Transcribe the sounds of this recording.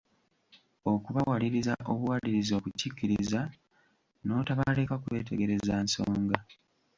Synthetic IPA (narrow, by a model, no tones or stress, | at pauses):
o̞kuβawaliɾizaʔo̞βuwaliɾizo̞ːβucikːiɾiza | no̞ːtaβale̞ːkakwe̞̰ːte̞̰ɡe̞ɾe̞zaːnso̰ːŋɡa